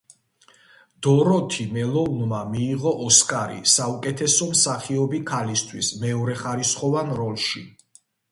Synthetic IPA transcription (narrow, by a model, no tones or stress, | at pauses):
d̪̥ɔɾɔt̪ʰimɛlˠɔunmamiːʁɔʔɔskʼaɾḭsaukʼɛt̪ʰɛsɔmsaχiɔbikʰalist̪ʰwismɛɔɾɛχaɾisχɔvanɾɔlʃi